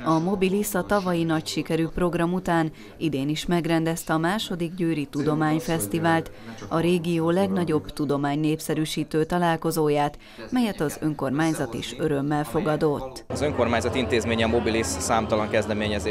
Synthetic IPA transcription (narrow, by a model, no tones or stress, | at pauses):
ɒmo̞bilisɒt̪ɒvɒjinɒcʃikɛɾyːpro̞ɡrɒmut̪aːn | id̪eːniʃmɛɡrɛnd̪ɛst̪ɛɒmaːʃo̞d̪iɡɟøːɾit̪ud̪o̞maːɲfɛst̪ivaːlt̪ | ɒɾeːɡijoːlɛɡnɒɟo̞bt̪ud̪o̞maːɲneːpsɛɾyːʃiːt̪øːt̪ɒlaːlko̞zoːjaːt̪ | mɛjɛt̪ɒzø̞ŋko̞rmaːɲzɒt̪ḭʃø̞ɾø̞mːɛlfo̞ɡɒd̪o̞t̪ːɒzø̞ŋko̞rmaːɲzɒt̪int̪eːzmeːɲɛmo̞bilisːaːmt̪ɒlɒŋkɛzd̪ɛmeːɲɛzeː